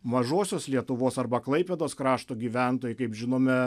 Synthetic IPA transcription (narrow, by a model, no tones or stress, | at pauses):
mɐʒoːsʲoːslʲiɛt̪ʊʋoːsɐrbɐklˠɐɪpʲed̪oːskɾɑːʃt̪oːɡʲiːʋʲænt̪oːjʊɪkɐɪpʒʲɪnoːmʲɛ